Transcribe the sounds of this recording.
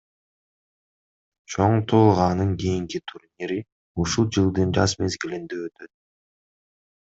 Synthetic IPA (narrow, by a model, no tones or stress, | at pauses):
t͡ʃʰo̞ɴt̪ʰolˠʁɑnɯnkijiŋkit̪ʰuɾnʲiɾi | uʃulˠd͡ʒɯlˠd̪ɯnɾɑsme̞zɡilind̪eøt̪ø̞t̪̚